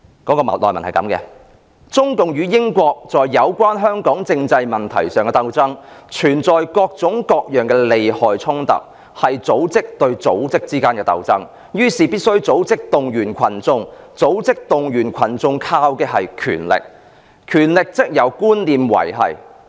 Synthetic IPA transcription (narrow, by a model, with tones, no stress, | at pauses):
kɔː˨˥kɔː˧m˨lɔː˨mɐ˨˩nhɐ˨jkɐ̰˨˥mkɛ̰ː˧ | t͡sʊ˥ŋkʊ˨ŋjyː˨˧jɪ˥ŋkʷɔː˧k̚t͡sɔː˨jːɐ˨˧wkʷwaː˥nɦœː˥ŋkɔː˨˥ŋt͡sɪ˧ŋt͡sɐ˧jmɐ˨˩nt̪ʰɐ̰˨˩jsœː˨ŋkɛ˧t̪ɐ˧wt͡sɐ˥ŋt͡ʃʰyː˨˩nt͡sɔː˨jkɔː˧k̚t͡sʊ˨˥ŋkɔː˧k̚jœː˨ŋkɛː˧le˨jhɔː˨jt͡sʰʊ˥ŋt̪ɐ̰˨k̚ | hɐ˨jt͡so˨˥wt͡sɪ˥k̚t̪ɵ˧ɥt͡so˨˥wt͡sɪ˥k̚t͡siː˥kaː˥nkɛː˧t̪ɐ˧wt͡sɐ˥ŋ | jyː˥siː˨pi˥t̚sɵ˥ɥt͡so˨˥wt͡sɪ˥k̚t̪ʊ˨ŋjyː˨˩nkʷʰɐ˨˩nt͡sʊ˧ŋt͡so˨˥wt͡sɪ˥k̚t̪ʊ˨ŋjyː˨˩nkʷʰɐ˨˩nt͡sʊ˧ŋkʰaː˧wkɛː˧ɦɐ˨jkʰy̰ː˨˩nlɪ̰˨˩k̚ | kʰyː˨˩nlɪ˨k̚t͡sɪ˥k̚jɐ˨˧wkuː˥nliː˨mwɐ̰˨˩jɦɐ̰˨˩j